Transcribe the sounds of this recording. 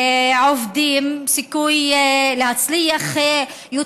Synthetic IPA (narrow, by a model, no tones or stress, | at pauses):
ʕovd̪iːmsikujlehat͡slijaχ | ju